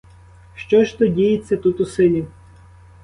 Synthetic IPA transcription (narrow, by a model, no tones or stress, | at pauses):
ʃt͡ʃɔʒt̪ɔdʲijet͡sʲːɐt̪ut̪ʊsɪlʲi